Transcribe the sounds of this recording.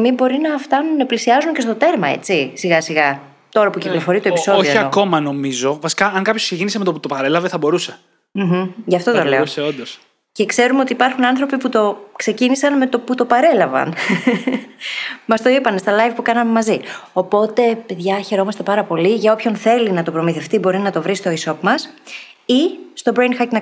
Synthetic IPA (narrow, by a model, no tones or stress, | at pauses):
mibo̞ɾinɐft̪ɐnuneplisiɐzunce̞st̪o̞t̪e̞ɾmɐe̞̰t͡sisiɣɐsiɣɐ | t̪o̞ɾɐpuciklo̞fo̞ɾit̪opiso̞ðoioiɐoko̞mɐno̞mizo̞vɐsi̥kɐɐŋkɐpçoksecinisemet̪oput̪opɐɾe̞lɐveθɐbo̞ɾuse̞ | m̩ɦm̩ʝɐft̪o̞t̪ole̞oseond̪os | ce̞kse̞ɾumeo̞t̪iːpɐɾxunɐnθɾo̞piput̪o̞kse̞cinisɐnme̞t̪o̞put̪o̞pɐɾe̞lɐvɐ̰n | mɐst̪o̞ipɐne̞st̪ɐlɐjvpukɐnɐmemɐzio̞po̞t̪e̞pe̞ðʝɐçe̞ɾo̞mɐst̪e̞pɐɾɐpo̞liʝɐopço̞nθe̞linɐt̪o̞pɾo̞miθe̞ft̪ibo̞ɾinɐt̪o̞vɾist̪o̞iso̞pmɐs | ist̪o̞bɾejnxɐcnɐ